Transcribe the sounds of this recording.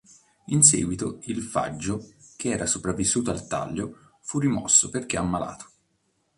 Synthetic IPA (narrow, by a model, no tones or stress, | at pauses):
insɛ̰ːɡwit̪oilfa̰d͡ʒːokʰeɛːɾasopɾavːisːuːt̪oalt̪a̰ʎːo | furːimɔ̰sːoperk̟eamːala̰ːt̪o̥